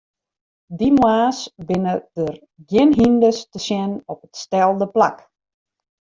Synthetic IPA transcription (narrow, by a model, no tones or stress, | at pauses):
dimwaːsbɪnədər | ɡjɪnɦindəstəsjɛnɔpətstɛlˠdəpla̰k